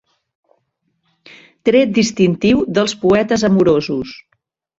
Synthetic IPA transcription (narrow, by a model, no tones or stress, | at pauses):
t̪ɾɛt̪̚d̪ist̪int̪iwðəlˠspuɛt̪əzəmuɾozus